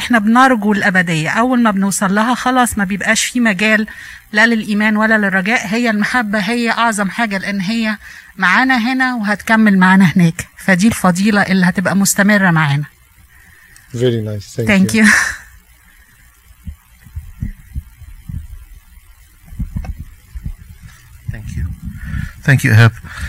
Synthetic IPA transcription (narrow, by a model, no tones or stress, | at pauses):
ʔeħnæbnɑɾˤɡuelʔæbæd̪ejːæʔæwːælmæbnewsˤɑlːɑɦɑxɑlɑːsˤmæbejebʔæːʃfiːmæɡæːlː | ælelʔiːmæːnwælːælerˤːɑɡæːʔɦejːælmaħabːæɦejːæʔɑʕzˤɑmħaːɡæleʔenːɦejːæ | maʕaːnæɦenæweɦæt̪kæmːelmaʕaːnæɦenæːkfæd̪iːlfɑd̪ˤiːlɑʔelːihæt̪ebʔæmost̪æmerˤːæmaʕaːnæ | vɛɾinajst̪æŋkju | θæŋkju | θæŋkjṵʔæɦæb